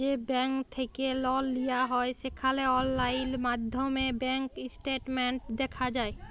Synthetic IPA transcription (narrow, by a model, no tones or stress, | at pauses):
d͡ʒebɛ̃ŋkt̪ʰəkelɔlːijaɦɔesekʰaleɔlːaɪlmaːd̪ʱjomẽbɛ̃ŋkɪsʈeːʈmẽɳʈd̪ekʰad͡ʒaːe